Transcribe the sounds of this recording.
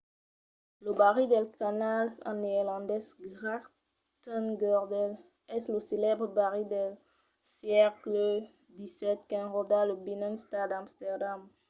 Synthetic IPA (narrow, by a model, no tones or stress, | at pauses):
ləbaʁid̪ɛlkanala̰neʁlɑ̃nd̪ɛsɡʁak | t̪ɔ̃nɡɔʁd̪ɛl | ɛsləselɛbʁəbaʁid̪ɛl | sjɛklə | d̪isɛt̪kɛ̃ʁod̪aləbinɛ̃ŋst̪ad̪ãmst̪ɛʁd̪am